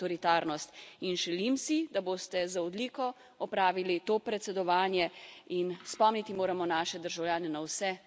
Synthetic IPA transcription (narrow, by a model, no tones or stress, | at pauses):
ɔɾit̪aːɾnɔst̪inʒɛlimsid̪aboːst̪ɛzaɔd̪likɔ | ɔpɾaːʋilit̪oːpɾɛt̪sɛd̪ɔʋaːnjɛinspɔmnit̪imoːɾamɔnaːʃɛd̪əɾʒawljaːnɛnawsɛ